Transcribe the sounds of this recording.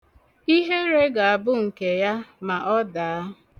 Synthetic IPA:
i˦ɦe˦ɾe˦ɡa˨a˨bʊ˦ŋ̩˨ke˨ja˦ma˨ʔɔ˦da˨a˦

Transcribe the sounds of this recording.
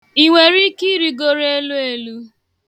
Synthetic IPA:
i˨ŋʷe˨ɾi˦ki˦ɾi˦ɡo˦ɾe˦lu˦e˦lu˦

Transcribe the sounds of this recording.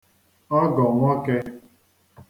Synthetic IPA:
a˦ɡɔ̃˨wã˦kɛ˧

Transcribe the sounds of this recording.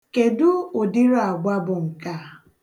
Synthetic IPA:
ke˨dʊ˦o˨dɪ˦ɾo˦a˨ɡ͡bʷa˦bʊ˨ŋ̩˨ka˦˨

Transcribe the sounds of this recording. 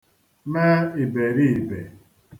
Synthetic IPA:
me˦i˨be˨ɾi˦˨be˨

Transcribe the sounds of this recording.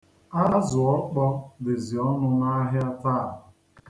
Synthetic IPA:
a˦zʊ˨ɔ˦k͡pɔ˦dɪ˨zi˨ɔ˦nʊ˦na˦ɦɪ˦a˦ta˦˨ɦʊ˨

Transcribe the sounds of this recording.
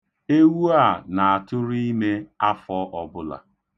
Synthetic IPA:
e˦wu˦a˦˨na˨a˨tʊ˦ɾi˦i˦me˦a˦fɔ˦ʔɔ˨bʊ˦la̰˨

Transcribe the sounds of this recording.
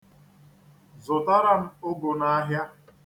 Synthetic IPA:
zʊ˨ta˦ɾa˦n̩˦o˦ɡo˨na˦a˦ɦja˦

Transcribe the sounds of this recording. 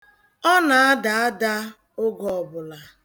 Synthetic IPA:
ɔ˦na˨a˦da˨a˦da˦ | ʊ˦ɡɔɔ˨bʊ˨la˨

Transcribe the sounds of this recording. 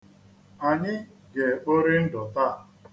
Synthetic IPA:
a˨ɲɪ˦ | ɡe˨o˦ɾi˦n̩˦dɔ˨ta˦˨

